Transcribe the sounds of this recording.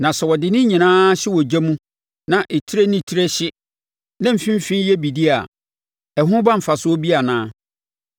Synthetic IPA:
nã˨sɛ˨wɔ˨dɪ˨nɪ̃˦ɲĩ˨nãː˦ɕɪ˦wɔ˨d͡ʑɛ˦mũ˦ | nã˨ʔe˨tʰi˦ɾe˦nĩ˦˨tʰi˦ɾe˦ɕɪ˦ | nã˦m̩˨fĩ˦m˦fĩ˦jɛ˦bi˨di˦a˨ | ɛ˨ɦʊ̃˦bã˦m̩˨fa˨sʊ˨˦ɔ˦bi˦a˨nãː˦

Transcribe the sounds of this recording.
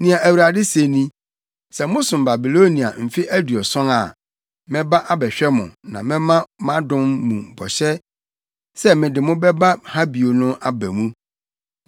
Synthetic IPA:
nĩ˨a˨ʔæ˨wu˨ɾa˨dɪ˦se˨˦nĩ˦ | sɛ˨mʊ̃˦sʊ̃˨m˨ba˨bi˨lo˦nĩ˨a̰˨m̩˨fi˦ʔæ˦du˨ɔ˨sɔ̃˦ŋa̰˨ | mɪ̃˦ba˦ʔa˦bɛ˨ɕᶣɛ˦mʊ̰̃˨nã˨mɪ̃˦mã˦mã˦dʊ̃˦mːṵ̃˨bɔ̰˨ɕɛ˦ | sɛ˦mɪ̃˨dɪ˨mʊ̃˦bɛ˦ba˦ha˦bi˨o˨nʊ̃˦ʔa˦bæ˨mũ˦

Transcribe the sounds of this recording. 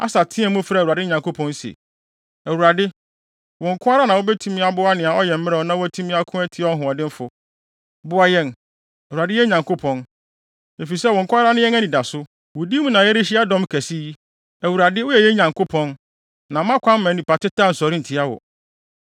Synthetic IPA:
a̰˦sa˨tʰɪ̃˦ɛ˦mũ˦fɾa˦˨u˨a˨dɪ˦ɲã˨ŋko˦pʰɔ̃˦n˦sḛ˨ | æ˨wu˨ɾa˨dɪ˦ | wʊ̃˨ŋ̩˨kʰʊ̃˦a˦ɾa˦nã˨wʊ˦bɛ˦tʰũ˦mĩ˦a˨bʊ˦a˦nɪ̃˨a˨ɔ˦jɛ˨m̩˦ɪ˦ɾɛ˨ɔ˦nã˦wæ˦tʰu˦mĩ˦a˦kʰʊ̃˦æ˦tʰi˦ɔ˦ɦʊ̃˨ɔ˨dɪ̃˦m̩˦fʊ˨ | bʊ˦a˦jɛ˦˨n | æ˨wu˨a˨dɪ˦jɛ˦ɲã˨ŋko˦pʰɔ̃˨n | e˨fi˨sɛ˦wɔ˨ŋ̩˨kʰʊ̃˦a˦ɾa˦nʊ̃˦jɛ˦æ˦nĩ˨da˨sʊ˦ | wʊ˨di˦mũ˦nã˨jɛ˦ɾɪ˦ɕi˦a˦dɔ̃˦mkʰæ˨si˦i˦ | æ˨wu˨ɾa˨dɪ˦wʊ˦jɛ˨jɛ˦ɲã˨ŋkʰʊ˦pʰɔ̃˦n | nã˨˦mã˦kʷʰã˦m˦mã˨˦nĩ˨pa˨tɪ˦tʰa˦n̩˨sɔ˨ɾi˦n̩˨tʰɪ˦a˦wɔ̰˨

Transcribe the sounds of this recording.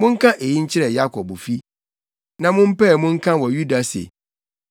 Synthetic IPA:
mʊ̃˦ŋ̩˦kʰã˦ʔe˨ji˦ɲ̩˦t͡ɕʰɪ˦ɾɛ˨ja˦kʰɔ˨bfi˦ | nã˨mʊ̃˦m̩˦pɛ˦˨mʊ̃˦ŋ̩˦kʰã˦wɔ˨ju˦da˨sḛ˨

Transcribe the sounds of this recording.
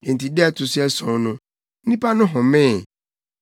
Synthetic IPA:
ẽ˨n̩˨tʰi˨dɛ˦˨tʰʊ˨sɪ˦ɛ˦sɔ̃˨nʊ̃˦ | n̩˦nĩ˦pʰa˦nʊ̃˦ɦɔ̃˨mɪ̃˦˨

